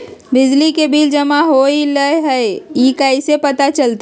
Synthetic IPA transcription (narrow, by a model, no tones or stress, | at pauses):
bɪd͡ʒlikebiːld͡ʒɐmaɦoːiləɦɛeiːkaisepɐt̪at͡ʃəlt̪